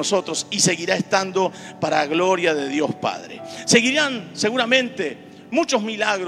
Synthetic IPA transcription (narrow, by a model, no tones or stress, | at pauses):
oso̞t̪ɾosise̞ɣiɾaest̪and̪o | paɾaɣlo̞ɾjaðe̞ðjospa̰ðɾḛse̞ɣiɾanse̞ɣuɾamẽ̞nt̪e | mut͡ʃozmilaɣɾ